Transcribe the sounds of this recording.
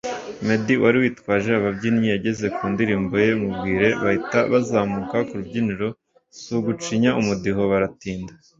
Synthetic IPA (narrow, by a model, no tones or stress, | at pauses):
me̞diwʔaɾiwiːtkwaːʒe̞aβabɟinijaɟe̞ze̞kuːndiɾiːmbo̞je̞umub̚ɡiːɾe̞βahitaβazaːmukakuɾubɟiniɾo̞ | suɡut͡ʃiɲaumudiɦo̞βaɾatiːnda